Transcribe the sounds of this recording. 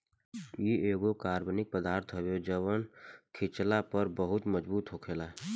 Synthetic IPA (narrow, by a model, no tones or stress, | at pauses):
jieːɡokaːɾbnɪk̚pəd̪aːɾt̪ʰɦəbod͡ʒəʋənkʰɪt͡ʃlapəɾbəɦʊt̪məd͡ʒbuːt̪ɦoːkʰeːlaɦ